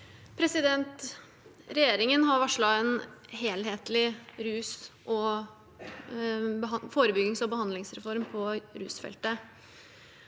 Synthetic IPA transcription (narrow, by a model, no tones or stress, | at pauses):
pʰɾɛsɪd̪ɛnt̪ | ɾɛjeːɾɪŋənɦɑɾʋɑʂɭɑɛnɦeːlɦeːt̪lɪɾʉːsʔɔ | foːɾəbʏɡɪŋsɔbəhɑnd̪lɪŋsɾɛfɔɾmpʰɔɾʉ̰ːsfɛ̰lt̪ə